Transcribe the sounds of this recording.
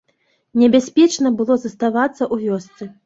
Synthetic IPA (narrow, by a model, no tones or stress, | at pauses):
nʲɛbʲasʲpʲɛt͡ʂnɐbɨlˠɔzɐst̪avat̪sːɐʔuvʲɔst̪sɨ